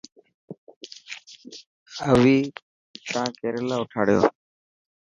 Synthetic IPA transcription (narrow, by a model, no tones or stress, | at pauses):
əʋiː | tãːkeːɾeːlaːʊʈʰa̰ːɽɪjo̰ː